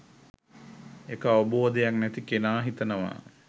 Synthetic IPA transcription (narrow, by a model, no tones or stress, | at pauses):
ekəaʋəboːd̪ejaknæt̪ikenaːɦit̪ənəʋa̰